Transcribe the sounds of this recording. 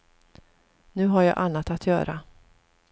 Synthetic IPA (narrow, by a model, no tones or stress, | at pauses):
nʉ̟ːɦaɾjɑ̰ːʔanːat̪at̪ʰjœ̰ːɾʔa